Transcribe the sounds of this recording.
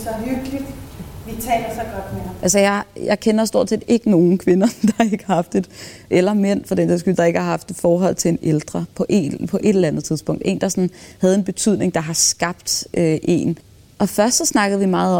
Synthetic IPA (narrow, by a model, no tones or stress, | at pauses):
sɒɦyɡ̥lid̥ʋit͡sʰɛ̰ːlɐsɒɡ̥ɒ̽d̥meʔælsəjɑ̈ɪjɑɪkʰenɐsd̥o̝ɐ̰d̥sḛːd̥e̝ɡ̥əno̝ːn̩kʰʋe̝nɐd̥ɑ̈e̝ɡ̥əhɑhɑ̈fd̥e̝d̥ʔelɐmen̰fɒd̥ent͡sʰisɡ̥yld̥ɑ̈e̝ɡ̥əhɑ̈ɦɑ̈fd̥e̥fɒːɦɒ̽l̰t͡sʰe̝e̝neld̥ʁɐpʰɒ̽ʔḛpʰɒ̽ʔe̝ɾ̥elænð̩ˠt͡sʰiðˠsb̥ɔ̽ŋ̰d̥e̝̰ːnd̥ɑ̈sɔ̽nhæðˠe̝nb̥e̝t͡sʰyð̞̰ˠne̝ŋd̥ɑ̈ɦɑ̈sɡ̥ɑ̈b̥̚d̥ʔøʔe̝̰ːn | ʔɒ̽fɶɐsd̥ɒsnɑ̈ɡ̥əð̩ˠʋimɑ̈ːð̩ˠɒ̽